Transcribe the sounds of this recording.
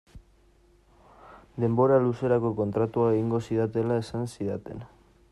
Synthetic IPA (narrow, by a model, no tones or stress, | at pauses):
d̪e̞mbo̞ɾaluse̞ɾako̞ko̞nt̪ɾat̪uaeɣiŋɡo̞siðat̪e̞lae̞sansiðat̪e̞n